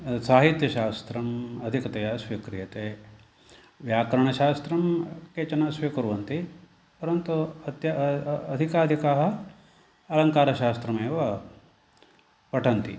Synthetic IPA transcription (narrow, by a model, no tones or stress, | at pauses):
saːɦit̪jɐʃaːst̪ɾɐmɐd̪ʱikɐt̪ɐjɐsʋikɾijɐt̪eː | ʋjaːkɾɐɳ̃ɐʃaːst̪ɾɐmket͡ʃɐnɐsʋikuɾʋɐnt̪i | pɐɾɐnt̪uɐt̪jɐɐd̪ʱikaːd̪ʱikaːɦɐ | ɐlɐŋkaːɾɐʃaːst̪ɾɐmeːʋɐ | pɐʈʰɐnt̪ḭ